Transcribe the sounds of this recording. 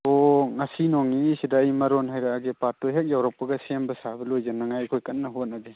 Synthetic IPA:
ɔŋasinɔŋniŋisidaːjmaɾɔnɦajɾaːɡepatːɔɦek̚jawɾak̚paɡasembasabɐlojzanaŋajkʰojkanːaɦot̚nabe

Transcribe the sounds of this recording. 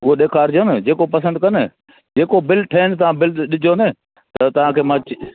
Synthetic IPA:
ʊɦoɗeːkʰaːɾd͡ʑoːnɪd͡ʑeːkopɐs̬ə̃ɳɖ̚kɐnɪ | d͡ʑeːkobɪlʈʰɐɪnɪ̆t̪̬ɐʋãːbɪlɗɪd͡ʑʱonɪ | t̪ɐt̪ɐʋ̤ãːkʰeːmãt͡ɕ

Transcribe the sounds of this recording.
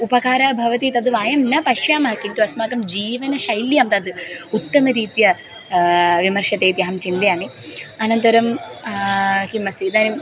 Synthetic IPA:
upɐkaːɾaːbʱɐʋɐt̪it̪ɐd̪ɨʋaːjɐmnɐpɐʃjaːmɐɦɐkint̪uɐsmaːkɐmd͡ʒiːʋɐnɐʃɐjljɐːmt̪ɐd̪ɨut̪ːɐmɐɾiːt̪jɐ | ʋimɐɾʃɐt̪eːt̪iɐɦɐmt͡ʃind̪jaːniɐnɐnt̪ɐɾɐm | kimɐst̪id̪aːnim

